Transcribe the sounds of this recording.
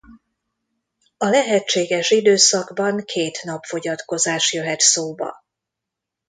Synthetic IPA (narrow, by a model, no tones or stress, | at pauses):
ɒlɛɦɛt͡ʃːeːɡɛʃid̪øːsɒɡbɒŋkʰeːt̪nɒpfo̞ɟɒt̪ko̞zaːʃjø̞ɦɛt̪soːbɒ̰